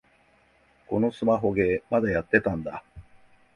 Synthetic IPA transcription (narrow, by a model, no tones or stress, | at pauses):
ko̞no̞sɨmaɦo̞ɡe̞mad̪ajat̪ːe̞t̪ãnd̪a